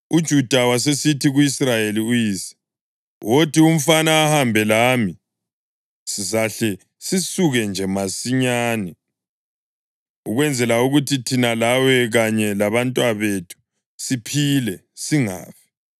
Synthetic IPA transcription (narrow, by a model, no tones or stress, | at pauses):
ud̥ʒ̥ʱud̥ʱawasesitʰiɣuisrajeliujiːsɛ̥ | wʔotʰium̩fanaːhambʱɛlaːmi | sis̬aɬɛ | sisuɣɛnd͡ʒʱɛmasiɲaːnɛ | uɣwɛnd͡zʱɛlauɣutʰitʰinalawɛɣaɲɛlaβantʼwaβetʰu̥ | sipʰilɛ | siŋa̰ːpi̥